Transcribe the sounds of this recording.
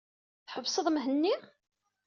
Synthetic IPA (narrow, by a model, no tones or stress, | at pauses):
θħəvsəðˤmɦənːi